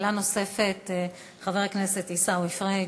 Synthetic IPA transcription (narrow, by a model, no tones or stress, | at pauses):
lano̞se̞fet̪ | χaveʁkneset̪isawefʁe